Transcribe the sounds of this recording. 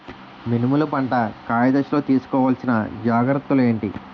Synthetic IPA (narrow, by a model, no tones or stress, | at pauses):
minimulɐpɐɳʈɐkaːjɐd̪ɐʃlo̞ːt̪iːsu̥kɔːʋaːlsinɐ̰d͡ʒaːɡɾɐt̪ːule̞ːɳʈi